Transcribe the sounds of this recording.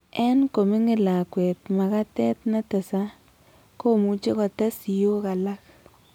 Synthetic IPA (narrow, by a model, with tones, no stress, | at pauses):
ɛ˦nko˨mi˦ŋɪ˦la˨kwɛ˨t̪ma˨ka˦tɛ˦t̪na˦ta˨sa˦ | ko˦mu˦t͡ʃe˦kɔ˨ta˦si˨jo˦ka˨la˦k